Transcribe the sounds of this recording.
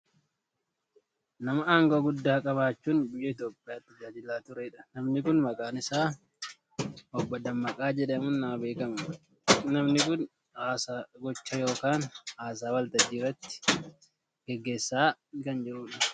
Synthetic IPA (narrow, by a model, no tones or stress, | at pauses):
nɐmɐaːŋɡoːɡʊd̪ːaːkʼɐbaːt͡ʃːuːnbɪjːɐɪt̪joːpʼːɪjaːt̪ːɐd͡ʒaːd͡ʒɪlːaːt̪ʊɾɛɪᶑɐ̥nɐmnɪkʊnmɐkʼaːnɪsaː | ʔɔbːɐd̪ɐmːɐkʼaːd͡ʒɛᶑɐmʊnːɐmɐbe̞ːkɐm | nɐmnɪkʊn | aːsaːɡɔt͡ʃːɐjo̞ːkaːnaːs̬aːwɐlt̪ɐd͡ʒiːrɐt̪ːɪ̥ | ɡ̥ɛɡːe̞ːsːaːkɐnd͡ʒɪɾuːᶑɐ